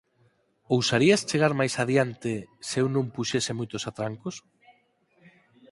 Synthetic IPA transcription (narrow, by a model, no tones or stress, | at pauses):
owsaɾiast͡ʃeɣ̞aɾmajsaðjant̪esewnõmpuʃesemojt̪osat̪ɾaŋkos